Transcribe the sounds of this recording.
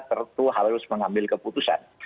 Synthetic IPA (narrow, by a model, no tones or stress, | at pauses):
t̪ərt̪uɦaɾɾʊsməŋambɪlkəput̪usa̰n